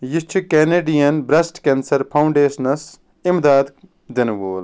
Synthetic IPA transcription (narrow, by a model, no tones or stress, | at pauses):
jist͡ʃʰukeneːɖijɐnbɾɐsʈkensɐɾpʰɐuɳɖeːsɐnɐs | imd̪aːd̪ | d̪ɐnʋoːl